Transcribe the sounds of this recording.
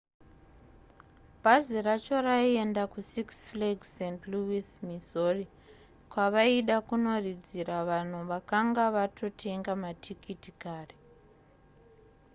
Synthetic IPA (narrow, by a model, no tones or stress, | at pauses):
bʱaziɾat͡ʃo̞ɾaie̞ndakusiksfleɡsendluismizori | kwaʋaiɗakuno̞rid͡ziɾaʋan̤uʋakaŋɡaʋatʰo̞tʰe̞ŋɡamatʰikitikaːre